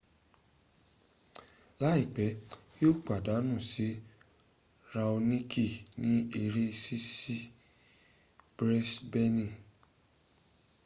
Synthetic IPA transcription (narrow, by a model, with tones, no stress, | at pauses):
la˨˦i˦˨k͡pɛ˨˦jo˦˨k͡pa˨da˨˦nũ˦˨si˨˦ | ɾa˧o˧nĩ˦kʰi˦˨nĩ˦e˧ɾe˦si˦si˦ | b̥ɾɛ˦sbɛ˦nĩ˦˨